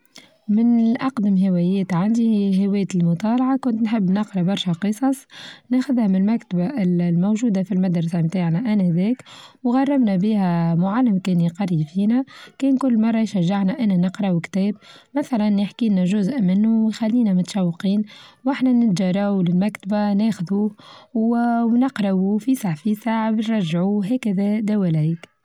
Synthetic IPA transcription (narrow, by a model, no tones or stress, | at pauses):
mɪnʔɑqd̪ɪmɦɪwɛjɛːt̪ʕand̪iɦɪwɛːt̪ɪlmʊt̪ˤɑːlɑʕɑkʊnt̪nħɪbːnɑqɾˤɑbɑɾˤʃæqɨsˤɑsˤnexʊðhæmlmækt̪abaɪllmowʒuːd̪afilmad̪ɾˤɑsamt̪aːʕnæʔænæhðɛːkwɣɑrˤːɑbnæbiːhæmʊʕalːɪmkɛːnjqɑɾˤifiːnækɛːnkʊlːmɑrˤːɑjʃæʒːaʕnæʔɪnːænɪqɾˤɑukt̪ɛːb̚mæθælænjaħkiːnæʒʊzʔmɪnːuwjxælːiːnæmʊt̪ʃɑwːqiːnwʔaħnænɪt̪ʒɑɾˤɑwlɪlmækt̪abanɛːxʊðuːwwnɑqɾˤɑufisaʕfisaʕbnɾˤɑʒːʕuɦɛːkæðɛd̪æwælæjk